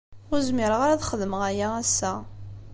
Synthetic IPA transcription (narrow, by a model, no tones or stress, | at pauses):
ʊɾzmɪɾəʁaɾaðχəðəməʁæjææsːæ